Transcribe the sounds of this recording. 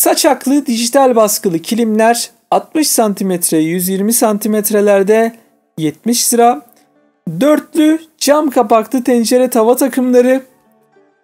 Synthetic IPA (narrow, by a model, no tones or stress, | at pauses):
sat͡ʃʰaklˠɯd̪iʒit̪ʰalʲbaskɯlˠɯcʰilʲimlʲæɾ | at̪̚mɯʃsant̪ʰimɛt̪ʰɾɛjyzjiɾmisant̪ʰimɛt̪ɾelʲæɾd̪ɛ | jɛt̪̚miʃsɨɾa | d̪øɾt̪lʲyd͡ʒamkʰapaklˠɯt̪ʰɛnd͡ʒeɾɛt̪ʰavat̪ʰakʰɯmlˠaɾɯ